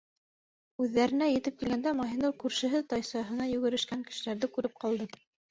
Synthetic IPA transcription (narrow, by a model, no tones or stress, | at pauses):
ʉðːæɾɘ̆næjɘ̆t̪ɘp̚kilɡænd̪æmɑɦinɤɾkʉɾʃɘ̆ɦɘt̪ɑjsɑɦɤ̆nɑjʉ̆ɡɘ̆ɾɘ̆ʃkæŋkɘ̥̆ʃɘ̆læɾðɘkʉɾɘp̚qɑlˠd̪ɤ